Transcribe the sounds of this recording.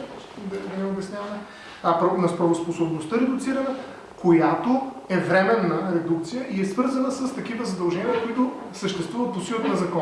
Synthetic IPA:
ɔt͡ʃt̪ɛd̪ɐd̪ɐnɛobɛsnʲjavɐmɛ | ɐpɾɐnɐspɾɐvosposobnost̪əɾɛd̪ʊkt̪siɾɐnɐ | kojat̪oɛvɾɛmɛnːɐɾɛd̪ukt̪sijəʔiɛsvɤɾzɐnəsəst̪ɐk̟ivəzɐd̪ɐlˠʒɛnʲiəkoit̪ʊ | səʃt̪ɛst̪vuvət̪̚osiət̪nɐzɐkɔ

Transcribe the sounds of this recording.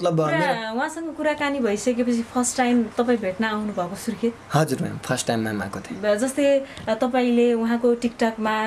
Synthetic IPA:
ʌt̪lʌbʌʌneuɦãsʌŋɡʌkuɾakanibʱʌisʌkepʌt͡sʰipʰʌrsʈːajmt̪ʌpaĩbʱeʈnaːwnubʱʌkosurkʰet̪hʌd͡zuɾma̰pʰʌrsʈʈajmːamã̰kot̪ʰd͡zʌst̪ʌt̪ʌpaĩleuɦãkoʈikʈʌkma

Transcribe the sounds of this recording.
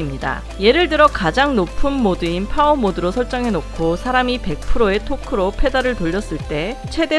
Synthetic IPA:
imɲida̰ | je̞ɾɯɭdɯɾʌkad͡ʑaŋnopʰɯnmodɯinpʰaomodɯɾosʰʌɭt͡ɕ͈ʌŋɦe̞nokkʰosʰaɾamipe̞k̚pʰɯɾoe̞tʰokʰɯɾopʰe̞daɾɯɭtoʎːʌs͈ɯɭt͈e̞t͡ɕʰwe̞de

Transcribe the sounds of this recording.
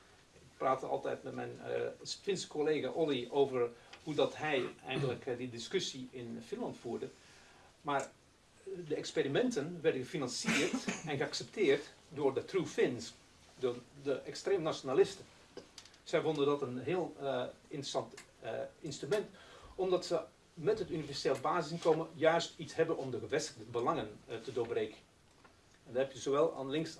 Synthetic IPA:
ɪk̚praːtəɑ̰lˠtɛ̰jtmɛtmɛ̰jnfɪnskʰoleːɣaʔolioːvərhudɔtɦɛjɛ̰jnŋɡələkdədɪskøsiɪnfɪnlɑntfuːərdə | maːr | dəɛksperimɛntənʋɛrdəɣəfinɑnsiərtɛnɣəaksɛp̚tʰɪərtdʊːrdətrufɪns | dʊdəʔɛkstreːmənasjonalɪstə | sɛjfondəndɔtənɦɪːəlˠɪntrəsɑnt | ɪnstrymɛntɔmdɑtsə | mɛtɦətynivɛrseːlˠəbaːzɪsɪnkoːməjœɥstitshɛbənɔmdəɣəʋɛstəɣdəbəlɑŋəntədʊːbreːkən | ɛndɔɛpjəzoʋɛlˠa̰nlɪŋks

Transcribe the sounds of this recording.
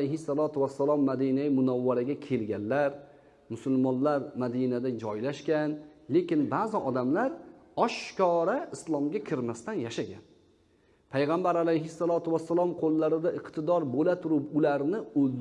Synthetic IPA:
ajɦɪsːalˠɒt̪ʰʊwasːalˠɒmːad̪inajmʊnawːaɾaɡʲakʲʰe̞lɡʲanlaɾ | mʊsʊlmɒnlaɾmad̪inad̪ad͡ʒɒjlaʃkʲanle̞kʲɪnbaːzɪʔɒd̪amlaɾɒʃkɒɾaɪslˠɒmɡʲakʲʰɪɾmast̪anjaʃaɡʲan | pʰajʁambaɾalajɦɪsːalˠɒt̪ʰʊwasːalˠɒmqʰolːaɾɪd̪aɪqt̪ʰɪd̪ɒɾbolat̪ʰʊɾɪpʊlaɾnɪɵld̪

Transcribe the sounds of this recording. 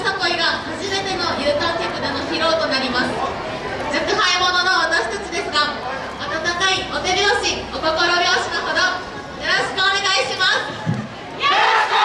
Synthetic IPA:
kako̞iɡahaʑibe̞t̪e̞no̞jɯ̟ːt̪aːk̪ʲakɯ̟d̪ano̞çiɾo̞ːt̪o̞naɾʲimasɨ̥ | zɨɯhaimo̞nonoβat̪aɕi̥t̪at͡ɕid̪e̞sɨɡa | at̪at̪akaiʔo̞t̪e̞ɾeoɕiot̪okoɾoeoɕi̥kɯɦo̞d̪o̞ | jo̞ɾo̞ɕi̥kɯone̞ɡaiɕimasɨ̥

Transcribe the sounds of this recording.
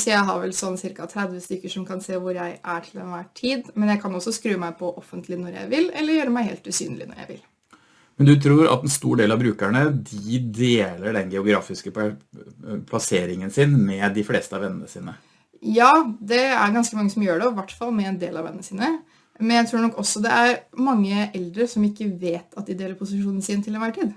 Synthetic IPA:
sɔjæɪɦɑ̰ɾʋɛlsɔnːsɪɾkɑt̪ʰɾæd̪ʋəst̪ʏkːəʂɔmkʰɑnseːʋʊɾjæɪʔæʈʰɪlɛ̰nʋæʈʰiːd̪mɛnjæɪkʰɑnɔsːɔskɾʉːəmæɪpʰɔʔɔfːənt̪lɪnɔɾjæ̰ɪʋɪlɛlːəɾjøːɾəmæɪhḛːlt̪ʉsy̰ːnlɪ̰nɔ̰ɾjæ̰ɪʋɪ̰l | mɛnd̪ʉt̪ʰɾuːɾɑ̰t̪ːɛnst̪uːɖeːlɑʋbɾʉːkæɳəd̪ɪd̪eːləɖɛnɡɛʊɡɾɑːfɪskə | pʰlɑseːɾɪŋənsɪnmɛd̪ɪfleːst̪əɑʋɛnːənəsiːnə | jɑːd̪ɛæɾɡɑnskəmɑŋːəsɔmjøːɖɛɔʋæʈːfɑlːˠmɛɛnd̪ḛːlɑʋɛ̰nːənəsiːnə | mɛnjæɪt̪ʰɾuːɳɔkːɔsːɔd̪ɛʔæɾmɑŋːəʔɛld̪ɾəsɔmɪkːəʋeːt̪ʰɑt̪̚d̪ɪd̪eːləɾpʰʊsɪʂuːnn̩siːnət̪ʰɪlɛnʋæʈʰiːd̪

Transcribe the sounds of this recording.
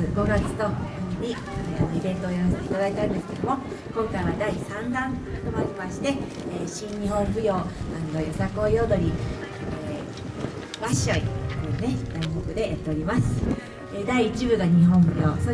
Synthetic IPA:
ɨɡo̞ɡat͡sɨ̥t̪o̞onʲi | anoid̪ẽ̞nt̪oːjonsait̪ad̪ait̪aɯ̃nd̪e̞sɨ̥ke̞d̪omo̞kõ̞ŋkaiβad̪aisãŋɡãnt̪omaɾʲimaɕi̥t̪e̞ː | ɕĩɲɲiɦõ̞ɰ̃ɸɯ̟jo̞ːand̪ojosakoːjod̪o̞ɾʲi | baɕoiɯane̞d̪̥aiɦokɯ̟d̪e̞jat̪ːe̞oɾʲimasɨ̥ | ed̪aiːt͡ɕibɯ̟ɡaɲ̟iɦõ̞m̃ɸɯ̟jʲoːso

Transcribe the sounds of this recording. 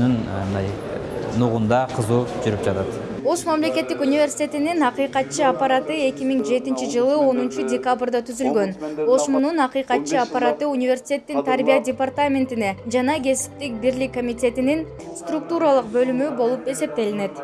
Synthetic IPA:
ynnd̪ɑ̰jnuʁund̪ɑqʰɯzuːd͡ʒyɾypd͡ʒɑt̪ɑt̪ | o̞ʃmamle̞kʲe̞t̪ːikunʲivʲe̞rsʲi̥t̪ʲe̞t̪ininɑqijqɑt̪̚t͡ʃɯapːaɾat̪ɯe̞kʲimiŋd͡ʒe̞t̪int͡ʃid͡ʒɯlˠɯo̞nunt͡ʃudʲekabrd̪ɑt̪ʰyzylɡø̞no̞ʃmununɑqijqɑt̪̚t͡ʃɯapːaɾat̪ɯunʲivʲe̞rsʲi̥tʲe̞t̪ːint̪ʰaɾbʲijadʲepart̪amʲe̞nt̪ine̞d͡ʒɑnɑɡʲe̞si̥p̚t̪ːik̚biɾlikːomʲit̪ʲe̞t̪inin | st̪ruk̚t̪uɾalˠɯq̚bø̞lymybo̞lˠupe̞se̞p̚t̪e̞line̞t̪

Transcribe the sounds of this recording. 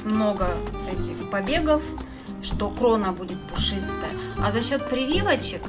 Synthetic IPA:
mno̞ɡət̪ɐkʲixpɐbʲe̞ɡəf | ʂt̪o̞kɾo̞nəbudʲɪt̪̚pʊʂɨst̪əjɐzɐɕːo̞t̪̚pɾʲɪvʲilˠət͡ɕɪk

